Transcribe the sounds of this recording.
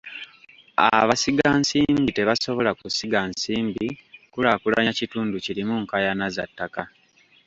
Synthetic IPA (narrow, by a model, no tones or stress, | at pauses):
a̰βasiɡansiːmbite̞βaso̞βo̞lakusiɡansiːmbikulakula̰ɲacituːnducilimuŋkajanaza̰tːaka